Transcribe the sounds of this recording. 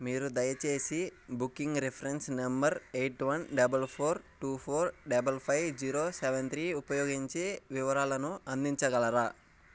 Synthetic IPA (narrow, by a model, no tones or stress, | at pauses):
miːɾud̪ɐjɐt͡ʃe̞ːsibukːiŋɡɾepʰɐɾensnɐmbɐɾejʈʋɐnɖɐbɐlpʰoːɾʈuːpʰoːɾɖɐbɐlpʰɐjbd͡ʒiːɾoːseʋent̪ɾiːupɐjoːɡiɲt͡ʃeːʋiʋɐɾaːlɐnuɐnd̪iɲt͡ʃɐɡɐɭɐɾaː